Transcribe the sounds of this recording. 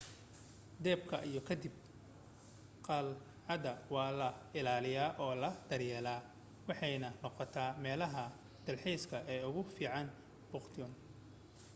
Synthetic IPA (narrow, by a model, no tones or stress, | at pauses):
d̪ɛːbkʰɐʔijɞkʰɐd̪ɪb̚ | qɑl | ʕɑd̪ɐwɑːlɐɪlaːlɪjaːʔɔːlɐd̪̥ɐrjɛːlaː | wɑħɑjnɐnɔqɔt̪ʰaːmɛːlɐɦɐ | d̪̥ɐlħɛjskʰɐʔɛːʊɣʊfiːʕɑn | b̥ʊqt̪ʰɔn